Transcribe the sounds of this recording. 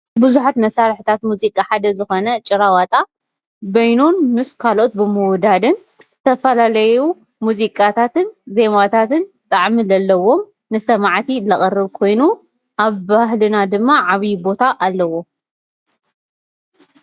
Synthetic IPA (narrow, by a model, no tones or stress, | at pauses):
bɨzuħat̪mɐsalħɨt̪ʰat̪muzikʼaħad̪ɐzɨxo̞nɐt͡ʃʼɪɾawat̪ʼa | bɐjnunmɨskʰalo̞t̪̚bɨmɨwd̪ad̪ɨn | z̥ɨt̪ʰɐfɐlalɐju | muzikʼat̪ʰat̪ɨnze̞mat̪ʰat̪ɨn | t̪ʼaʕmilɐlːɐwo̞m | nɨsɐmaʕt̪ʰilɐχʼɐrɨβkʰo̞jnu | ʔaβbaɦlɨnad̪ɨmːaʕaβjbo̞t̪ʰaʔalːɐwo̞